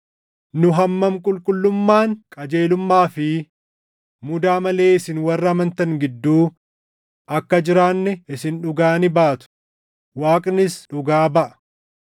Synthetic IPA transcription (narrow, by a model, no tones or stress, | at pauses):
nʊɦɐmːɐmkʼʊlkʼʊlːʊmːaːŋkʼɐd͡ʒe̞ːlʊmːaːfɪ | mʊd̪aːmɐle̞ːɪsɪnwɐrːɐːmɐnt̪ɐŋɡɪd̪ːuː | ʔɐkːɐd͡ʒɪɾaːnːɛɪsɪnᶑʊɡaːnɪbaːt̪ʊ̥ | waːkʼnɪsᶑʊɡaːbɐʔɐ̥